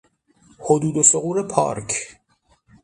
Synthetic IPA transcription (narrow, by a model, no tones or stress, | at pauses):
hod̪uːd̪osoɣuːɾepʰɒ̰ːɾkʰ